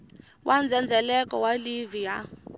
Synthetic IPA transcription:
wʔand͡zʱɛnd͡zʱɛlɛkɔwalivija

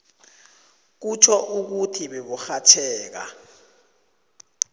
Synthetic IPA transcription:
k̬ut͡ʃʰɔʔuk̬utʰiɓeɓuxat͡ʃʰɛːk̬a̰

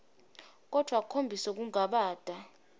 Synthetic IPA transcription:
k̬ʼɔd̥ʱwakʰombʱisɔk̬uŋaɓaːd̥ʱa

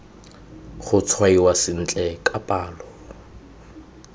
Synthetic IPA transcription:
χʊt͡sʰwaiwasɪn̩t͡ɬʼɛkʼapʼaːlɔ

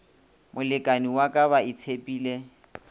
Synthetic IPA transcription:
mʔʊlɪkʼaniwakʼaβaɪt͡sʰepʼiːle

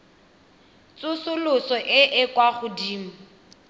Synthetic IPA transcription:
t͡sʊsʊlʊsɔʔɪʔɪkʼwaχʊdiːm̩

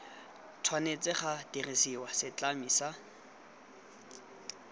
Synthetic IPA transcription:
tʰwanet͡sʼɪχatirisiwasɪt͡ɬamisa

